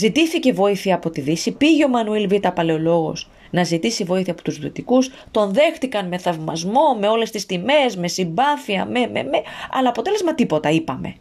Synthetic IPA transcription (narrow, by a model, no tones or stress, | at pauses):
zit̪iθice̞vo̞iθiɐːpo̞t̪iðisipiʝeo̞mɐnuilvit̪ɐpɐle̞o̞lo̞ɣo̞̰s | nɐzit̪isivo̞iθiɐpo̞̥t̪uzðuit̪ikus | t̪o̞nðe̞xt̪ikɐnme̞θɐvmɐ̰zmo̞me̞o̞le̞st̪ist̪ime̞zme̞simbɐθiɐme̞mḛmeɐ̰lɐːpo̞t̪e̞le̞zmɐt̪ipo̞t̪ɐipɐme̞̰